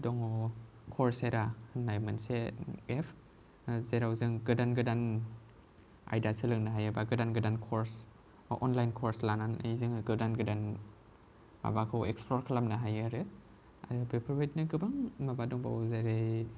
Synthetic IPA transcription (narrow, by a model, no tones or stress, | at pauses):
dɔŋɔ | kʰɔɾseɾanajmɯnseepʰ | zeɾawzɯŋɡɯdanɡɯdan | a̰jdasɯlɯŋnaɦajabaɡɯdanɡɯdankʰɔɾs | ʔɔnlajnkʰɔɾslananajzɯŋɯɡɯdanɡɯdan | ma̰bakʰɯweksplɔɾkʰalamnaɦajaɾɯ | a̰ɾɯbepʰɾɔbajt̚nɯɡɯbaŋmabadɔŋba̰wzeɾe